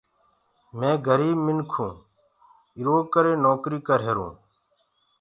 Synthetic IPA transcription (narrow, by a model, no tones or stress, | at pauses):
mẽːɡʱəɾiːbmɪnkʰũː | ɪɾoːkəɾeːnoːkɾiːkəɾɦeɾṵ̃ː